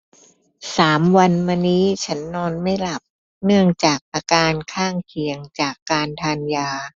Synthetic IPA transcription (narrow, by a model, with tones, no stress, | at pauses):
saː˩˦mwa˧nmaː˧niː˦˥t͡ɕʰa˦˥nːɔː˧nma˥˩jla˨˩p̚ | nɯ˥˩əŋt͡ɕaː˨˩k̚ʔaː˧kaː˧nkʰaː˥˩ŋkʰi˨˩˦əŋt͡ɕaː˨˩kːaː˧nt̪ʰaː˧njaː˧